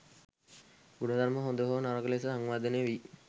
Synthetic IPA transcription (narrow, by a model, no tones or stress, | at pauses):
ɡunəd̪ʱaɾməɦond̪əɦonaɾəɡlesəɦaŋʋaːd̪əneʋi